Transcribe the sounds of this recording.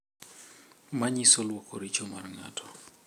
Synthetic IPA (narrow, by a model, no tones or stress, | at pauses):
maɲisɔlwɔkʰɔɾit͡ʃɔma̰rŋa̰tʰɔ̥